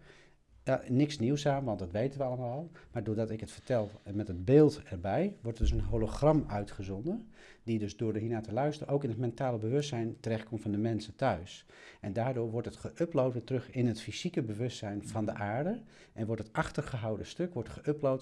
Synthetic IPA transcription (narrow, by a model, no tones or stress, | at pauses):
janɪksniwsaːmʋɑndɑtʋejtənʋəɑləmaːlˠmaːɹdʊːɹdɑtɪkɦətfəɹtɛlˠmɛtɦəd̚beɪːlˠtɛɹbɛjʋɔɹtdʏsənɦoloχrɑmœɥtχəzɔndən | didɵzdʊːɹdəɦinaːtəlœɥstərəʔowkɪnɦətmɛntaːləbəʋɵstsɛjntərɛχt̚kɔmtfɑndəmɛnsətœɥs | ʔɛndaːɹdʊːɹʋɔɹtətχəʔøplowtʋɪːtrɵχɪnɦətfiz̥ikəbəʋɵstsɛjnv̥ɑndəʔaːɹdə | ʔɛnʋɔɹtətɑχtərχəɦawdəstøkʋɔɹtχəʔøplowt